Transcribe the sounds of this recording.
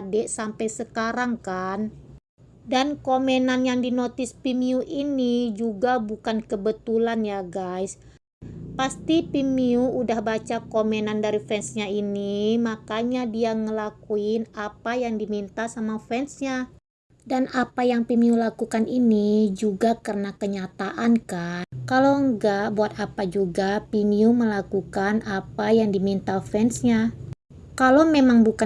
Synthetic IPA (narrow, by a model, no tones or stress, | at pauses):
dɛʔsampajsəkaɾaŋkan | dankomenanjaŋdinot̪ɪspimiuʔinid͡ʒuɡabukankəbət̪ulanjaɡajs | past̪ipimiuudahbat͡ʃakomenandaɾifɛnsɲainimakaɲadiaŋəlakuɪnapajaŋdimint̪asamafɛnsɲa | danapajaŋpimiulakukaninid͡ʒuɡakərənakəɲat̪aʔankankaloŋɡaʔbuat̪apad͡ʒuɡapimiuməlakukanapajaŋdimint̪afɛnsɲa | kalomemaŋbuka